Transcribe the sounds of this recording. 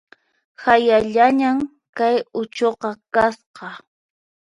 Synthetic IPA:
hajaʎaɲam | kajʊt͡ʃoqɑkasqɑ

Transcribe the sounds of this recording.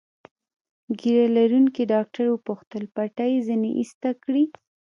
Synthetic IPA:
ɡiɾalaɾunkiɖɑk̚ʈaɾwəpuxt̪əlpaʈajezinḛʔḭst̪akɽi

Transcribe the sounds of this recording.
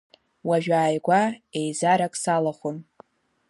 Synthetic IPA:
waʒᶣaːjɡʷaejzaɾakʼsalaχʷʊm

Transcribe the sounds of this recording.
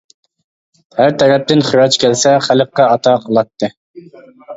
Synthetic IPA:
hæɾt̪ʰɛɾɛp̚t̪ɪnχyɾɑt͡ʃkʲʰɛlsɛχæləqːɑɑt̪ʰɑqʰəlˠɑt̪ːɨ

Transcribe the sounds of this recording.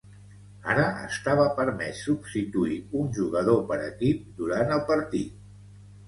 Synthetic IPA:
a̰ɾəə̰st̪aβ̞əpəɾmɛsːubst̪it̪uiunʲʒuɣəð̞opəɾə̰kip̚d̪uɾanəlˠpəɾt̪ḭt̪̚

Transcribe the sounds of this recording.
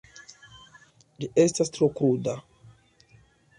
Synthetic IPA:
d͡ʒie̞stastɾokɾuda

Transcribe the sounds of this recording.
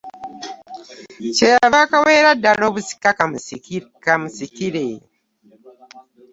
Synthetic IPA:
t͡ʃeaβakawe̞ːɾadaloβusi̥ka | kamusikiɾe

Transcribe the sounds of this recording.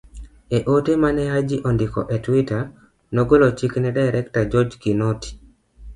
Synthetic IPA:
eʔotemanɛɦad͡ʒiʔɔndikɔ̰ʔetwita | noɡolot͡ʃiknɛdajɾɛktad͡ʒɔd͡ʒkinɔti̥

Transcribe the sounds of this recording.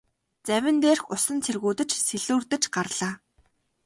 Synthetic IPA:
t͡sæwʲɪ̆nt̪eːrxʊsə̆nt͡sʰerɣuːt̪ɘ̆t͡ɕseɮuːrt̪ɘ̆t͡ɕɢarɮaː

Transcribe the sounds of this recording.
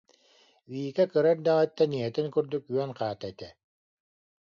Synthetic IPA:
viːkɛkɯɾaɾd̪aʁat̪ːaniɦɛt̪inkyɾd̪ykyœnqaːt̪ait̪ɛ

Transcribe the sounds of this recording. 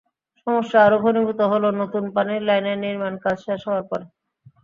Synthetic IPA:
ʃɔmoʃːaaɾobʱonibʱut̪oɦolonot̪unpaneɾlajneɾniɾmankad͡ʑʃaʃɔoaɾpɔɾe

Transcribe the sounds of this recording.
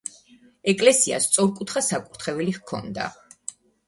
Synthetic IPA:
ɛkʼlɛsia̰st̪sʼɔɾkʼut̪ʰχasakʼuɾt̪ʰχɛvɛliχkʰɔ̰nd̪a̰

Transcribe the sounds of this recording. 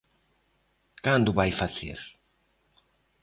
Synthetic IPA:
kand̪ʊβajfaθḛɾ

